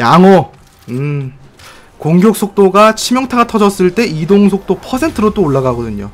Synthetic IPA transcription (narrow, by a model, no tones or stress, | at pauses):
jaŋʌ | ɯ | koŋɡjok̚s͈ʰok̚t͈oɡat͡ɕʰimjʌŋtʰaɡatʰʌd͡ʑʌs͈ɯɭt͈e̞idoŋs̬ʰok̚t͈opʰʌsʰe̞ntʰɯɾot͈oːɭːaɡaɡʌdɯɲo̰